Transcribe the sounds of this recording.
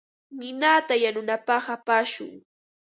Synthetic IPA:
nɪnaːt̪ajanʊnapɑχapaʃʊ̰ŋ

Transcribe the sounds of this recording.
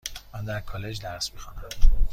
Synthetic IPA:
mænd̪æɾkʰɒːled͡ʒd̪æɾsmixɑnæm

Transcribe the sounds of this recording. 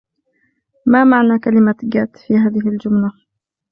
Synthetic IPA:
mamaʕnaːkalɪmaɡat̪fiːɦaːðɪɦɪld͡ʒʊmla

